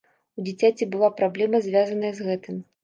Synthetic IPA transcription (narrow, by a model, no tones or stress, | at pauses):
ud͡zʲit͡sʲat͡sʲibɨlˠapɾablʲɛmɐzʲvʲazɐnɐjɐzɣɛt̪ɨm